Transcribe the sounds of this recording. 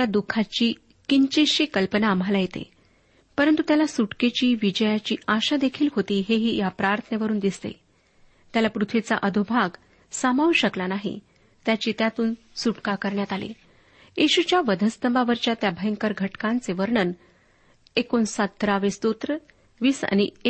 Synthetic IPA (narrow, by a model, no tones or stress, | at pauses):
ad̪ukʰat͡ɕiː | kiɲt͡ɕeɕikəlpənaːm̤ʱalajet̪ḛ | pəɾənt̪ut̪jalasuʈket͡ɕiːʋid͡ʑəjat͡ɕiːaɕad̪ekʰiːlɦot̪iːɦeɦiːjapɾaɾt̪ʰəneʋəɾuːnd̪ist̪ḛ | t̪jalapɾut̪ʰʋit͡sa̰ʔəd̪ʱubʱaɡ | samaʋuɕəklanaɦḭ | t̪jat͡ɕiːt̪jat̪uːn | suʈkakəɾɳjat̪alḛ | jeɕut͡ɕjaʋəd̪ʱəst̪əmbaʋəɾt͡ɕat̪jabʱəjəŋkəɾɡʱəʈkãnt͡seʋəɾɳən | ekonsət̪ːɾaʋest̪ot̪ɾə | ʋiːsa̰nie